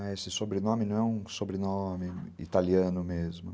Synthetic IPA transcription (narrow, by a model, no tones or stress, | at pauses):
ɛesɪsobɾenõmɪnɐ̃w̃ɛũsobɾenõmɪḭt̪aliɐ̃nʊmezmʊ